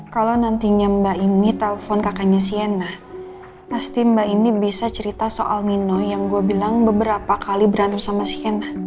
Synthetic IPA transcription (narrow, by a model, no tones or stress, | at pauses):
kalawnant̪iɲambainit̪ɛlfɔnkakaɲasiɛnːah | past̪imbainibisat͡ʃəɾit̪asoʔalninojaŋɡuabilaŋbəbəɾapakalibəɾant̪amsamasiɛnah